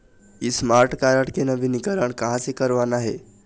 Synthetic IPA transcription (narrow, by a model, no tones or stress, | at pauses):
ismaɾʈkaɾaʈkenəʋinikəɾaɳkaɦãt͡sekəɾʋanaɦe